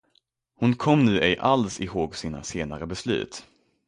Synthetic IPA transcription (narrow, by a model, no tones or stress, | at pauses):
hʊnkʰɔmːnʉ̟ːʔɛjʔalsɪhoːɡsiːna̰seːnaɾəbɛslʉ̟̰ːt̪